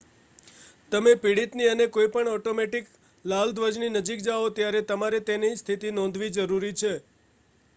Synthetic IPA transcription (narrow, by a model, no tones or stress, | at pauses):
t̪əmepiɽit̪niənekoipəɳɔʈomeʈik | lald̪ʋəd͡ʒninəd͡ʒik̚d͡ʒaot̪jaɾet̪əmaɾet̪enist̪ʰit̪inɔ̃nd̪ʱʋid͡ʒəɾuɾit͡ʃʰe